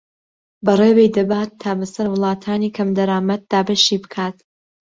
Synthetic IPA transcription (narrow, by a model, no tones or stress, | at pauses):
bɐreːwejd̪ɐbaːt̪ʰːaːbɐsɐɾwɨlˠɑːt̪ʰaːniːkʰɐmd̪ɐɾaːmɐt̪̚d̪aːbɐʃiːbɨ̥kʰaːt̪